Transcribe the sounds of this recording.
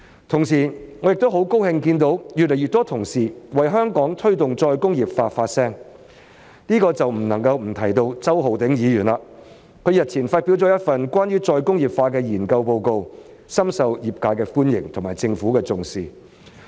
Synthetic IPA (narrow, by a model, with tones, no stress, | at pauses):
t̪ʰʊ˨˩ŋsiː˨˩ŋɔ˨˧jɪ˨k̚t̪o˥wɦo˨˥wko˥whɪ˧ŋkiː˧nt̪o˨˥wjyː˨t̚lɛ˨˩jɥyː˨t̪̚ːɔː˥t̪ʰʊ˨˩ŋsiː˨˩wɐ˨jɦœː˥ŋkɔː˨˥ŋt̪ʰɵ˥ɥt̪ʊ˨ŋt͡sɔː˧jkʊ˥ŋjiː˨˩p̚faː˧faː˧t̚sɛː˥ŋ | niː˥kɔː˧t͡sɐ˨wm̩˨˩nɐ˨˩ŋkɐ˧wm̩˨˩t̪ʰɐ˨˩jt̪o˧wt͡sɐ˥wɦo˨wt̪ɪ˨˥ŋjiː˨˧jyː˨˩nlaː˧ | kʰɵ˨˧ɥjɐ˨t̚t͡sʰiː˨˩nfaː˧t̚pi˨˥wt͡sɔː˨˥jɐ˥t̚fɐ˨nkʷwʷaː˥njyː˥t͡sɔː˧jkʊ˥ŋjiː˨˩p̚faː˧kɛː˧jiː˨˩nkɐ˧wpo˧wko˧w | sɐ˥msɐ˨wjiː˨p̚kaː˨˥jkɛː˧fuː˥njɪ̰˨˩ŋt̪ʰʊ˨˩ŋmaː˨˩jt͡sɪ˧ŋfuː˨˥kɛː˧t͡sʊ˨ŋsiː˨